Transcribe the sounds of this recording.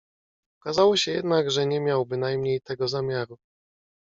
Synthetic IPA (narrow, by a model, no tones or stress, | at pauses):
ɔkazawɔɕɛjɛd̪naɡʐɛɲɛmʲjawbɘnajmɲejt̪ɛɡɔzamʲjaɾu